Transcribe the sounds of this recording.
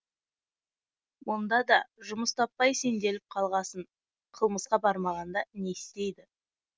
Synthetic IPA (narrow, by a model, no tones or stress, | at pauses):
wo̞nd̪ɑd̪ɑʒʊməst̪ʰɑpːɑjse̞nd̪e̞lɪp̚qʰɑlˠʁɑsəɴ | qʰəlˠməsqɑbɑɾmɑʁʁɑnd̪ɑne̞st̪e̞jd̪ɪ